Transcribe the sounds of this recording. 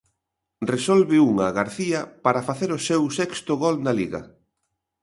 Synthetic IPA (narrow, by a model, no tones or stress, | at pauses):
resɔlβɪuŋɐɣaɾθiɐpaɾɐfaθeɾʊsewsɛkst̪ʊɣolnaliɣɐ̰